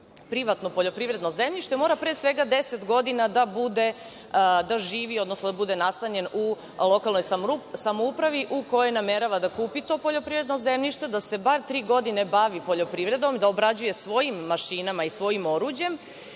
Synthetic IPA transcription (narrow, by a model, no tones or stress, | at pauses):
pɾiʋat̪no̞po̞ʎo̞pɾiʋvɾe̞d̪no̞ze̞mʎiʃt̪e̞mo̞ːɾapɾeːsʋe̞ɡad̪e̞se̞t̪ɡo̞d̪inad̪abud̪e̞ | d̪aʒiːʋio̞d̪nosnod̪abud̪e̞nast̪aɲe̞nu | lˠo̞kalˠnojsamoupɾaʋiʔukojojnameɾaʋad̪akuːpit̪o̞po̞ʎo̞pɾivɾed̪no̞ze̞mʎiʃt̪e̞d̪ase̞baɾt̪ɾiːɡo̞d̪ine̞baʋipo̞ʎo̞pɾivɾe̞d̪o̞mid̪aobɾad͡ʑuje̞sʋo̞jimːaʃiːnamaisʋo̞jimo̞ɾuːd͡ʑje̞m